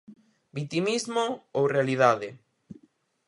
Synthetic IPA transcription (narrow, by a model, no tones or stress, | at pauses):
bit̪imizmoowrealiðaðɪ